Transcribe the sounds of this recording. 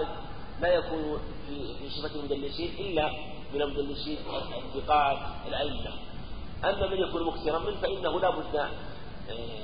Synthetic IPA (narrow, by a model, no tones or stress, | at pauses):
d̪ | lajakuːnunfifiʃɪfakalmʊd̪alːɪʃiːnʔɪlːa | mɪnalmʊd̪alːɪʃiːnaɪnt̪ɪqɑːd̪alʔaʔɪmːa | ʔamːamanjakuːnmʊkθɪɾˤamɪnfaʔɪnːahulabʊd̪ː